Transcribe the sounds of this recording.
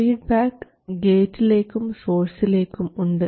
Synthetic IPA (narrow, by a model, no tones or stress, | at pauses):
iːɖ̚baːk | ɡeːʈːileːkːumsoːɾsileːkːumuɳɖɨ